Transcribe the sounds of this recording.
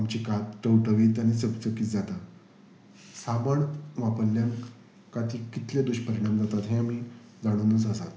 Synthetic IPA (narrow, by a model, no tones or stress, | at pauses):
amt͡ɕikat̪ʈəwʈəʋiːt̪aɽ̃isəbt͡səkiːt͡sd͡zat̪a | saməɳʋapəlːjan | kat̪ʰiːkit̪led̪uɕpəɾiɽ̃amd͡zat̪at̪ɦẽam̤iː | d͡zaɽ̃uːnəsəsat̪